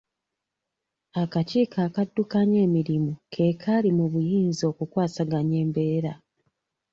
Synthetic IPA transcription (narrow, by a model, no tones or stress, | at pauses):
akaciːkaːkadːukaɲe̞ːmiɾimukʰe̞kʰalimuβujiːnzio̞ːkukwaːsaɡaɲe̞ːmbe̞ːɾa